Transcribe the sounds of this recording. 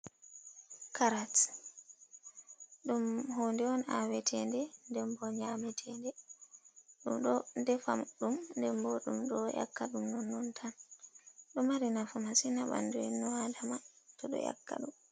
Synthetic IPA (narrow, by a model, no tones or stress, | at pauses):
kʰaɾat | ɗumhoːndɛɔna̰wɛtʰɛndɛndɛmbɔɲamɛtʰɛndɛ | ɗumɗɔndɛfa̰mɗumndɛmbɔɗumɗɔja̰kːaɗumnɔnːɔntʰan | ɗɔmaɾinafɔmasinaɓa̰nduinːɔwadamatɔɗɔ̰ja̰kːa̰ɗum